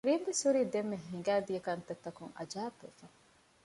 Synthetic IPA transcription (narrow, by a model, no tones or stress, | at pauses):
ɾimbisuɾid̪emːeɦiŋɡaːd̪ijekɐnt̪et̪ːɐkuŋa̰d͡ʒaːbefa